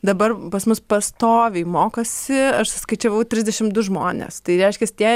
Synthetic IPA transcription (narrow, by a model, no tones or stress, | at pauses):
d̪ɐbɐrpɐsmʊspɐst̪oːʋʲɛɪmoːkɐsʲɪɐʃsʊskɐɪt͡ʃʲɛʋɐʊt̪ʲɾʲɪzʲd̪ʲɛʃʲɪmd̪ʊʒmoːnʲḛst̪ɐɪɾʲɛɪʃʲkʲɛst̪ʲiɛ